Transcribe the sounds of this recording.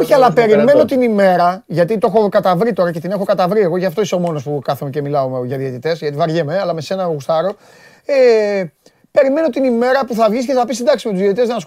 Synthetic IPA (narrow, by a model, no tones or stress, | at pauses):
oçiɐlɐpe̞ɾime̞no̞t̪inime̞ɾɐʝɐt̪it̪oe̞xo̞kɐt̪ɐvɾit̪o̞ɾɐcet̪ine̞xo̞kɐt̪ɐvɾieɣo̞ʝɐft̪o̞iseo̞mo̞no̞spukɐθumece̞milɐomeʝɐðiet̪it̪e̞sʝɐt̪ivɐɾʝemeɐlɐme̞se̞nɐɣust̪ɐɾo̞ | e | pe̞ɾime̞no̞t̪inime̞ɾɐpuθɐvʝisiceθɐpisind̪ɐksimet̪uzit̪it̪e̞zɐnɐs